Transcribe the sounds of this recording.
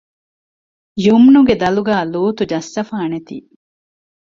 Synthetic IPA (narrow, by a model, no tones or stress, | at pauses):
jumnuɡed̪ɐluɡaːluːt̪ud͡ʒɐsːɐfaːnet̪ḭː